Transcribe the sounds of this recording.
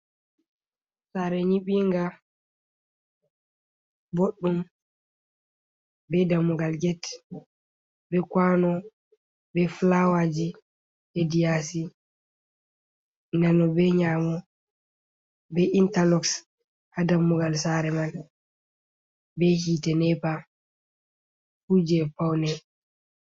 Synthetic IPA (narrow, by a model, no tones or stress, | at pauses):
saɾɛɲiɓiŋɡa | boɗːum | bɛdamːuɡalɡɛt | bɛkwanɔ | bɛflawad͡ʒi | hedijasi | nanɔbɛɲaːmɔ | bɛʔintalɔks | hadamːuɡalsaɾɛman | bɛhitɛnɛpa | fud͡ʒɛpawnɛ